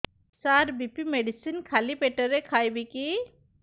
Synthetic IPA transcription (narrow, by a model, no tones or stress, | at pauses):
saɾbipimeɖisinkʰaːlipeʈəɾekʰajbiki